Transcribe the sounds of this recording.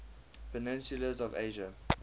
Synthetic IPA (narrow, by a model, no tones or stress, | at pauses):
pənɪ̃nsjuləzɔvḛːʒə